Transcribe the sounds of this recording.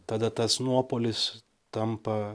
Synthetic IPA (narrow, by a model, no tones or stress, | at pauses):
t̪ɑːd̪ɐt̪ɐsnuɔpoːlʲɪs | t̪ɐmpɐ